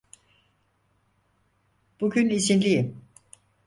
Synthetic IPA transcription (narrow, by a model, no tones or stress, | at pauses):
b̥uɟynizinlʲijim